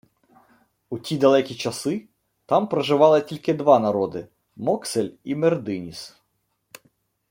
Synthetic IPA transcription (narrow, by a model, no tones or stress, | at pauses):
utʲid̪ɐlˠɛkʲit͡ʃɐsɪ | t̪ɑmpɾɐʒɪʋɑlˠɪtʲilʲkɪd̪ʋɑnɐɾɔd̪ɪ̰ | mɔkselʲimerd̪ɪnʲis